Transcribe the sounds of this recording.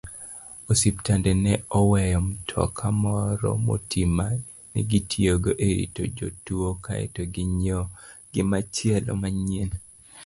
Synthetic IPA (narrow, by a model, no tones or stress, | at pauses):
osiptandɛnɛɔwɛjɔmtʰɔ̰kʰamɔɾɔ̰mo̰tʰima | nḭɡitʰioɡoʔeɾḭtod͡ʒotuokaḛtoɡɪɲɔɡ̥ɪmat͡ʃjɛlo̰maɲien